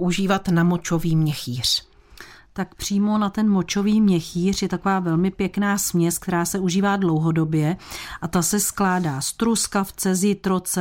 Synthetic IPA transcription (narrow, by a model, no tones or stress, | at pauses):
uʒiːvat̪namot͡ʃo̞viːmɲɛxiːr̝̥ | t̪akpr̝̥iːmo̞nat̪ɛnmo̞t͡ʃo̞viːmɲɛxiːr̝jɛt̪ako̞vaːvɛlmɪpjɛknaːsmɲɛsk̚t̪ɛɾaːsɛʔuʒiːvaːdlo̞wɦo̞do̞bjɛʔat̪asɛsklaːdaːst̪ɾuskaft͡sɛzjɪt̪ɾot͡sɛ